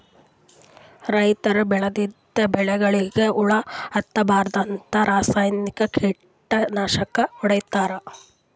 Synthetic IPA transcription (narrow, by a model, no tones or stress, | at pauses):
ɾɐjt̪ɐɾubɛɭɐd̪id̪ːɐbɛɭɛɡɐɭiɡeuɭɐɐt̪ːɐbaːɾd̪ɐnt̪ɐɾaːsaːjnikɐkʰiː | ʈːɐnaːʃɐkɐuɽɐjt̪aːɾɐ